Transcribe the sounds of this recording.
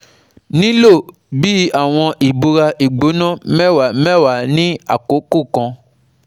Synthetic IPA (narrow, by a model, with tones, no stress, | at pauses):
nĩ˦lo˦˨ | bi˨˦a˦˨w̃ɔ̃˧ʔi˨ɡ͡bo˧ɾa˧ʔi˨ɡ͡bo˨˦nɔ̃˦˨mɛ̃˦wa˨mɛ̃˦˨wa˨nĩ˦a̰˦˨ko˨˦ku˦˨kɔ̃˧